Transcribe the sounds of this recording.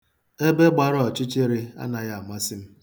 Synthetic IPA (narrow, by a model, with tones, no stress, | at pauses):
e˦be˦ɡ͡ba˨ɾɔ˦ɔ˨t͡ʃɪ˦t͡ʃe˦ɾɪ˦a̰˦na˨ja˦a˨ma˦sɪ˦m̩˦